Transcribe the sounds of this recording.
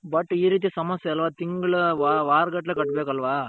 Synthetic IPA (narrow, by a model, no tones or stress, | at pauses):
bɐʈːiːɾiːt̪̬isɐmɐsjɐɐlʋaːt̪iŋɡɐɭʋaʋaːɾɡɐʈːɐlekɐʈːbeːkɐlʋaː